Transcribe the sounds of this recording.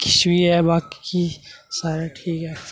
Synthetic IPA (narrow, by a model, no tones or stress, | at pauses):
kɪʃwiɦɛbaːkːisaːɾaʈʰiːkɦɛː